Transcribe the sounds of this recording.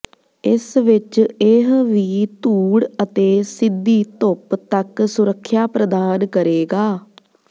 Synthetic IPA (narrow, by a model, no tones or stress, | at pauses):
ɪsʋɪt͡ʃɪɦʋiːt̪uːɽət̪eːsɪd̪iːt̪ʊpt̪əksʊɾəkʰːjaːpɾəd̪aːnkəɾeːɡaː